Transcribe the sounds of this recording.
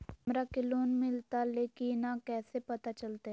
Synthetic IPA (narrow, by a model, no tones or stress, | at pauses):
mɾakɪloːnmɪlt̪aleːkinakɛːsepɐt̪at͡ʃɐlt̪e